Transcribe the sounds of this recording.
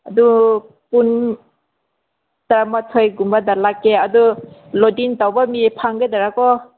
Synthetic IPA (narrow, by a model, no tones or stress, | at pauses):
adu | pun | tɾamatʰojɡumbadalakːeadulodintawbamipʰaŋɡajdaɾakɔ